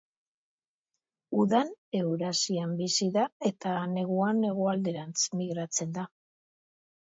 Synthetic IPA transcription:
uðane̞wɾasiambisiðae̞t̪ane̞ɣ̞uane̞ɣ̞oald̪e̞ɾant͡smiɣɾat͡se̞nd̪a

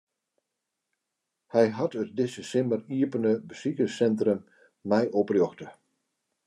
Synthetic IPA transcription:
hɛjɦatət̚dɪsəsɪməriəpənəbəsikəsɛntrəmː | ɛjʔoprjɔxtə

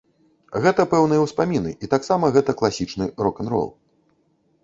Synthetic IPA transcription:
ɣɛt̪ɐpɛwnɨjɐwspamʲinɨ̰ʔit̪aksamɐɣɛt̪ɐklˠasʲit͡ʂnɨɾɔkɐnɾɔ̰lˠ

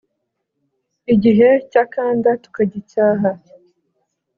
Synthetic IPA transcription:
iɟiɦecakaːndatu̥kaɟicaːɦa

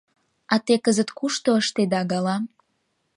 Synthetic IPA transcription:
ɑt̪ekəzət̪kuʃt̪oəʃt̪ed̪ɑɣɑlɑm

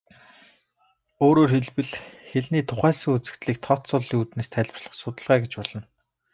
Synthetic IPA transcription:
oːɾoːrxeɮpɘ̆ɮxeɮniːt̪ʰʊχæːɮsə̆ŋut͡sɘ̆t̪ɮiːk̚t̪ʰɔt̪sʊɮiŋuːt̪neːst̪ʰæɮʲpə̆rɮ̥ə̆χsʊt̪ə̆ɮʁæːɡet͡ɕpɔɮɞ̆n

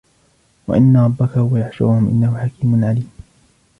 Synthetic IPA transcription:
wa̰ʔɪnːaɾˤɑbːakahʊwajaħʃʊ̰ɾʊhʊmʔɪ̰nːahʊħakiːmʊnʕaliːm

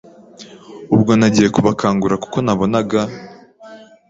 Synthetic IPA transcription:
ubɡo̞naɟije̞kuβakʰaːŋɡuɾaku̥ko̞naβo̞naɡa

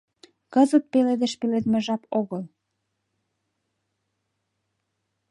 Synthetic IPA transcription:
kɤzət̪̚peled̪eʃpeled̪mĕʒɑpoɣəl

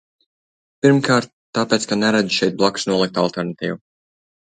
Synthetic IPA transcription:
piɾmkaːɾt̪̚ːaːpeːt̪skanɛɾad̪iʃɛjt̪̚blˠɔksnuɔlˠik̚t̪alˠt̪ɛɾnat̪iːvu

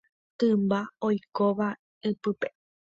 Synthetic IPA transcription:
t̪ɨ̃mbaojkoʋa | ɨpɨpe

